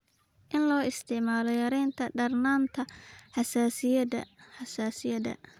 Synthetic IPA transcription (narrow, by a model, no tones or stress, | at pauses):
ʔɪnlɔːɪst̪ʰɪʕmaːlɔjɐɾɛjnt̪ʰɐɖɐrnaːnt̪ʰɐħɑsaːsɪjɐdɐ̰ħɑsaːsɪjɐdɐ̰